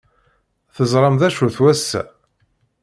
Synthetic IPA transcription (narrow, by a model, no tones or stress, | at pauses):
θəzˤɾˤɑmðæʃuθwæsːæ̰